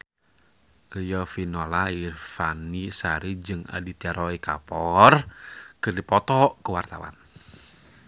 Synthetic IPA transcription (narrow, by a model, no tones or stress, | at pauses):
riɔfinolairfanisaɾid͡ʒɨŋa̰dit̪iaɾɔika̰pɔrkɨrdipɔt̪ɔkəwart̪a̰wa̰n